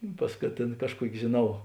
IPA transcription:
ɪ ˈpɐs kɐ ˈtʲeːn ˈkɑːʃˌkuɔkʲɪ ʒʲeːˈnɐʊ

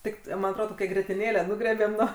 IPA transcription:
ˈtʲɪk mɐn ɐtˈroːdoː toːˈkʲæː ɡrʲiɛtʲɪˈnʲeːlʲæː ˈnʊɡrʲiɛbʲeːm ˈnuɔ

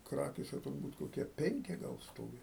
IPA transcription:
ˈkrɑːkʲeːsʲɛ tʊrˈbuːt koːˈkʲiɛ ˈpʲɛŋʲkʲɪ ˈɡɐlˠ ˈstoːʋʲɪ

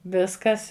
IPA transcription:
ˈʋʲɪskɐs

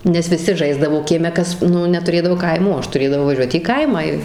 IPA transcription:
nʲɛs ʋʲɪˈsʲɪ ˈʒɐɪzdɐʋoː kʲiɛˈmʲɛ ˈkɐs ˈnʊ nʲɛtʊˈrʲeːdɐʋoː ˈkɐɪmuː oː ˈɐʃ tʊˈrʲeːdɐʋɐʊ ʋɐˈʒʲuɔt iː ˈkɐɪmɑː ɪ

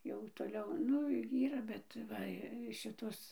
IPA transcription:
jɛʊ toːˈlʲɛʊ ˈnʊ ˈiːrɐ bʲɛt ˈʋɐ ˈʃʲɪtoːs

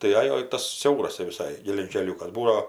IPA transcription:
tɐɪ ˈɑːjoː ɪ ˈtɐs ˈsʲɛʊrɐs tʲɛp ʋʲɪˈsɐɪ ɡʲɛlʲɛʒʲɪŋʲˈkʲæːlʲʊkɐs ˈbuːdɐoː

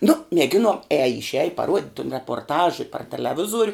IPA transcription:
nʊ mʲiɛˈɡʲɪnoːn ˈæːjɛ ɪʃʲˈæːjɪ pɐˈruɔtʲ tʊn rʲɛpoːrˈtɐʃ ɪ pɐr tʲɛlʲɛˈʋʲɪzuɔrʲ

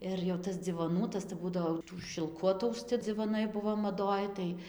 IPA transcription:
ɪr jɛʊ ˈtɐs d͡zʲɪʋoːˈnuː ˈtɐs tɐɪ ˈbuːdɐʋoː jɛʊ ˈtuː ʃʲɪlˠˈkʊ ɐtɐʊsʲˈt͡sʲɪ d͡zʲɪʋoːˈnɐɪ ˈbʊʋoː mɐˈdoːj tɐɪ

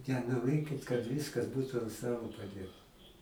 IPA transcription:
nʲɛnoːˈrʲeːkʲɪt kɐt ˈʋʲɪskɐs ˈbuːtʊ ɐnt ˈstɑːlˠoː pɐˈdʲeːtɐ

